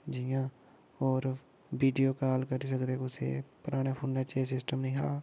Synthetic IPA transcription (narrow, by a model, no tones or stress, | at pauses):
d͡ʒɪːãː | ɔːɾ | ʋiːɖijoːkaːlkəɾiːsəkd̪eːkʊsḛːpʊɾaːɽ̃eːpʰoːnːẽːt͡ʃeːsɪsʈəmnĩːɦaː